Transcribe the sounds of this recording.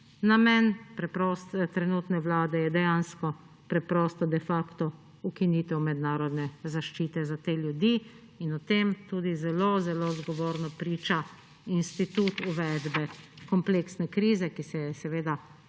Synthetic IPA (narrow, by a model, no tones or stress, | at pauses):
namɛnpɾɛpɾɔst̪t̪ɾɛnuːt̪nɛʋlaːd̪ɛjɛd̪ɛjanskɔ | pɾɛpɾɔːst̪ɔd̪ɛfaːkt̪ɔ | ukiniːt̪ɛwmɛd̪naːɾɔd̪nɛzaʃt͡ʃiːt̪ɛzat̪eːljud̪i | inɔt̪emt̪uːd̪izɛlozɛlozɡɔʋoːɾnɔpɾiːt͡ʃa | inst̪it̪uːt̪uʋɛd̪bɛkɔmpleːksnɛkɾiːzɛkisɛjɛsɛʋeːd̪a